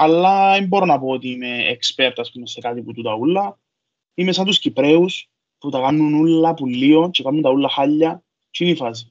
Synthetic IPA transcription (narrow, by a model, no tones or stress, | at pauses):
ɐlːɐembo̞ɾonɐpo̞ot̪iime̞ːkspe̞ɾt̪ɐspumese̞kat̪iput̪ut̪ɐulːɐ | imesɐnt̪uscipɾeus | put̪ɐkɐnːunulːɐpulːio̞nt͡ʃekanːunt̪ɐulːɐxaʎːɐ | t͡ʃinifɐs̬i